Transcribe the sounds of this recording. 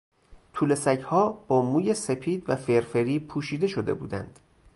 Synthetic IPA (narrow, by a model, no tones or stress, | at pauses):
t̪ʰuːle̞sæchɒːb̥ɒːmuːje̞se̞pʰiːd̪væfe̞ɾfeɾiːpʰuːʃiːd̪eʃo̞d̪e̞̰bṵːd̪æ̰nd̪̥